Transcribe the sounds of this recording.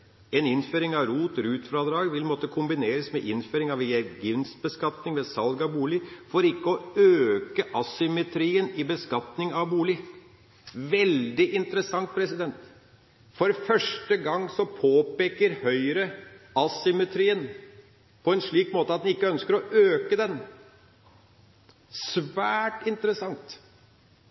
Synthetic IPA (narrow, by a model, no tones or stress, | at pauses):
ɛnɪnføːɾɪŋɑʋɾuːt̪ɾʉːt̪fɾɑd̪ɾɑːɡʋɪlmɔt̪ːəkʰʊmbɪneːɾəsmɛʔɪnføːɾɪŋɑʋeɡʏnst̪̚bəskɑt̪nɪŋʋɛsɑlɡɑbuːlɪfɔɾɪkːəɔøːkəʔɑsʏmɛt̪ʰɾiːənɪbəskɑt̪nɪŋɑʋbuːlɪ | ʋɛld̪ɪʔɪnt̪əɾəsɑŋt̪̚pʰɾɛsɪd̪ɛnt̪ | fɔɾfœʂʈəɡɑŋːsɔpʰoːpeːkəɾhœʏɾəɑsʏmɛt̪ʰɾiːən | pʰɔɛnʂɭiːkmoːt̪əɑt̪̚d̪ɛnɪkːəœnskəɾɔʔøːkəd̪ɛn | sʋæːʈɪnt̪əɾəsɑŋt̪